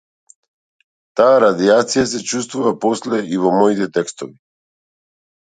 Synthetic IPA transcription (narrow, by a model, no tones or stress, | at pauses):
t̪aːɾad̪iat̪sijas̬ɛt͡ʃust̪vuvaposlɛivomɔit̪ɛt̪ɛkst̪ovi